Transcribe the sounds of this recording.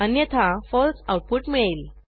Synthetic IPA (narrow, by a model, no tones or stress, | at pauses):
ənjɛt̪ʰafɔlsawʈ̚puʈmiɭel